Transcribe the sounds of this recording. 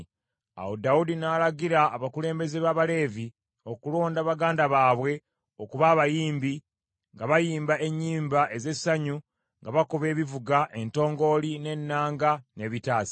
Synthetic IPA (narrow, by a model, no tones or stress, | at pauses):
a̰wodaudinaːlaɡiɾaːβakule̞ːmbe̞ze̞βaːβale̞ːvi | o̞kulo̞ːndaːβaɡaːndaβaːβwe̞ | o̞kuβaːβajiːmbi | ŋɡaβajiːmbaʔe̞ɲːiːmbaʔe̞ze̞saɲu | ŋɡaβakuβe̞ːβivuɡaʔe̞nto̞ːŋɡo̞line̞nːaːŋɡane̞βitaːsi̥